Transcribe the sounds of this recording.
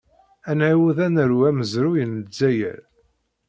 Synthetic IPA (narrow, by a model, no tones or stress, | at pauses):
ænʕiwuðænəɾwæməzɾujənəd͡zːæjə̰ɾ